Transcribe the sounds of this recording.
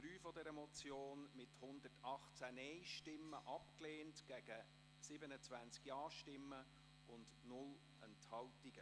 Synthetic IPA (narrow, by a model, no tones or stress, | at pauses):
d̥ɾyːfɔdɛɾəmɔt͡sjoːnmɪthʊnd̪ətɑχt͡sænɛɪʃtɪmːəʔɑpkleːntɡ̥æɡ̥ə | sɪbənət͡sʋænt͡skjɑːʃtɪmːə | ʊnd | nʊl | ənthɑwtiɡ̥ə